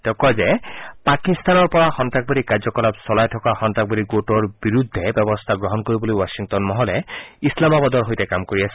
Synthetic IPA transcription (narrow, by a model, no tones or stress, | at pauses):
tɛʊkɔjzɛpakist̪anɔɹpɔɹaxɔntɹak̚bodikaɹzɔkɔlapsɔlajtʰɔkaxɔntɹak̚bodiɡotɔɹbiɹudʱːɛbɛbɔst̪ʰaɡɹɔɦɔnkoɹibɔlojwasiŋtɔnmɔɦɔlɛislamabɔdɔɹɦojtɛkamkoɹiasɛ